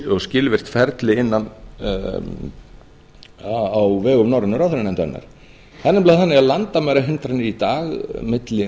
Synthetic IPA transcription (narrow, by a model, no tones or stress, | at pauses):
ɔscɪːlvɪr̥t̪fɛɾt̪lɪɪnːan | awvɛːɣʏmnawɾɪnːʏɾawθɾɪnɛmnt̪anːa̰ɾ̥ | θanːɪmplaðɪθanːɪɣaðlant̪amɛjɾaɦɪnt̪ɾanːɪit̪aːɣmɪt̪lɪ